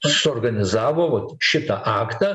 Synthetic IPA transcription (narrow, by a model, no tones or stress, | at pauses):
sorɡɐnʲɪzaːwɐwɐtʃɪtɐʔaːktɐ